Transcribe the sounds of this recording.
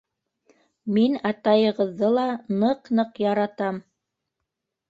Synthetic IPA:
minɑt̪ɑjɤ̆ʁɤ̆ðːɤlˠɑnɤqnɤqjɑɾɑt̪ɑm

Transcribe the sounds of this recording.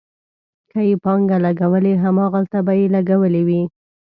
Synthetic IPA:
kajepɑŋɡalaɡawəleɦamɑɣalt̪abajelaɡawəlewi

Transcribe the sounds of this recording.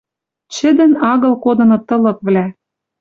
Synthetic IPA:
t͡ɕɘ̆d̪ɘ̆nɑɣɤ̆lkod̪ɤ̆nŏt̪ɤ̆lɤ̆k̚βlæ

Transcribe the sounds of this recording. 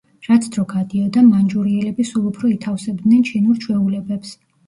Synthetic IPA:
ɾat̪sʰd̪ɾɔɡad̪iɔd̪amand͡ʒuɾiɛlɛbisulˠupʰɾɔit̪ʰafsɛbd̪nɛnt͡ʃʰinuɾt͡ʃʰwɛulɛbɛps

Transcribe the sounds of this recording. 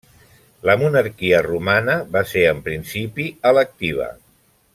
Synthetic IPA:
ləmunəɾkiərumanəβaseɾəmpɾinsipiələk̚t̪iβ̞ə̰

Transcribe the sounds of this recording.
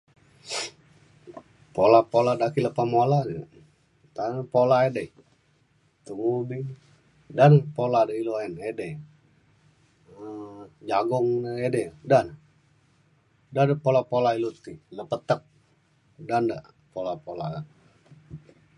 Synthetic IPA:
polapoladakiləpamoladə | t̪anpolaedə | t̪uubi | danpoladəiloɛnɛdɛ | əd͡ʒaɡɔŋnəɛdɛdan | dadəpolapolailut̪iləpət̪ək̚ | danda | polapola̰a

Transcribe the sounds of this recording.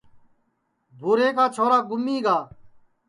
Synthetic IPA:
bʱuːɾeːkaːt͡ʃʰoːɾaːɡʊmːiːɡaː

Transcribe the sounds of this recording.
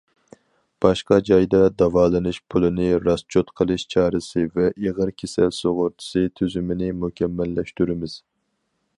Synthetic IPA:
b̥ɑʃqɑd͡ʒɑjd̪ɑd̪ɑvɑːlˠɨnɨʃpʰulˠɨnɪɾɑst͡ʃʰot̪qʰəlˠɨʃt͡ʃʰɑːɾɨsɨvɛʔeʁəɾkʲʰesɛlsoʁʊɾt̪ʰɨ̥sɨt̪ʰyzymɪnɪmuhkʲʰɛmːɛlːɛʃt̪yɾɪmɪz̥

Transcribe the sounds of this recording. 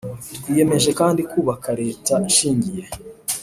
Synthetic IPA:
twiːje̞me̞ʒe̞kaːndikuːβakʰaɾe̞ːtaiʃiːɲɟije̞

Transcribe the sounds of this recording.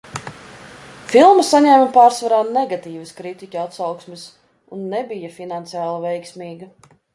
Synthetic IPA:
filˠmasaɲɛmɐpaːɾsvaɾaːnɛɡat̪iːvɐskɾit̪ikʲuat̪sawksmʲɪs | unːɛbijafinant̪sijaːlˠavɛjksmʲiːɡɐ

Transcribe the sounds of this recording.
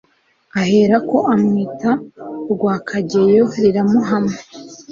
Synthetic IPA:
aheɾako̞ʔamŋitaɾɡwaːkʰaɟe̞joɾiɾamuɦame

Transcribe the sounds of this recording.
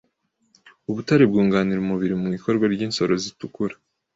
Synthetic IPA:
uβutaɾib̚ɡuːŋɡaːniɾumuβiɾimuŋiko̞ɾɡwaɾɟiːnso̞ɾo̞zitukuɾḁ

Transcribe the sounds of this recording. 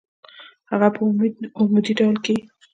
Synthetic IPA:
haɣapəʊmed̪iɖawlke

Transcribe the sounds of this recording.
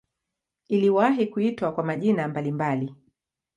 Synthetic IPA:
iliwaɦikuitwakwamaʄinambalimbali

